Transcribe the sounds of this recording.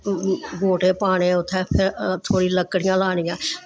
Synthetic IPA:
ɡoːʈeːpaːɽ̃eːʊt̪ʰːɛːpʰɪɾt̪ʰoːɽiːləkːɽɪjãːlaːɽ̃ɪjãː

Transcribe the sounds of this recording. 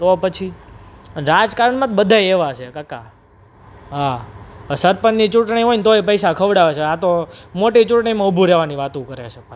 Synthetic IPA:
t̪opət͡ʃʰi | ɾad͡ʒkaɾəɳmãt̪bəd̪ʱajeʋat͡ʃʰekaka | ɦasəɾpənnit͡ʃuʈɳiɦoint̪oepəjsakʰəʋɽaʋet͡ʃʰeat̪omoʈit͡ʃuʈɳ̃imãubʱuɾɛʋaniʋat̪ũkəɾḛt͡ʃʰepə

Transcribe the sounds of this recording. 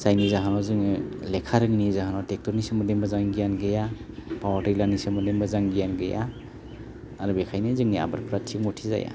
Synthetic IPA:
zajnizaɦanɔzɯŋilekʰaɾɯŋnizaɦanɔtek̚tɔɾnisɯmɯdembazaŋɡijanɡɯja | pawatajlanisɯmɔdembazaŋɡijanɡɯjʔa | ɾubekʰajnizɯŋnia̰baɾpɾatʰimɔtʰiza̰ja̰

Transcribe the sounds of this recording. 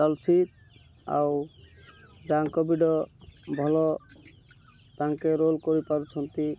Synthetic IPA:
ɔlt͡ʃʰit̪ | a̰ | d͡ʒaŋkɔbiɖɔbʱɔlɔ | t̪ãŋkeɾolkɔɾipaɾut͡ʃʰɔnt̪i

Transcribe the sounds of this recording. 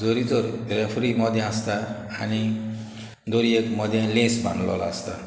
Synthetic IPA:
d͡zoɾid͡zɔɾɾepʰɾimɔd̪ʱjããst̪a̰ː | ni | d̪oɾiekmɔd̪jãlẽsbʱa̰nlɔ̰la̰st̪a

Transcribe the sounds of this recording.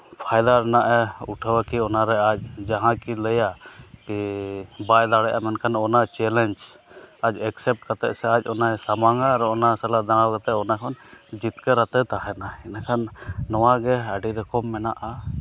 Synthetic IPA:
pʰajd̪aɾɛnaʔɛuʈʰəwakiɔnaɾɛac̚d͡ʒaɦãkiləjakibajd̪aɽɛʔamɛnkʰanɔnat͡ʃɛlɛnd͡ʒ | ac̚ɛksɛp̚ʈ̚kat̪ɛ̰ʔsɛac̚ˀɔnaɛsamaŋaɾɔɔnasɛlad̪ãawkat̪ɛʔɔnakʰɔnd͡ʒit̪kəɾat̪ɛt̪aɦɛnaɛnakʰanːɔwaɡɛaɖiɾɛkɔmːɛnaʔa

